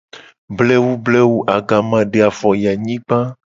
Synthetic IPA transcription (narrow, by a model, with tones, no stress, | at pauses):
blɛ˦wu˦blɛ˦wu˦ʔa˨ɡa˨mã˨ɖe˨a˨fɔ˨ja˨ɲĩ˦k͡pã˦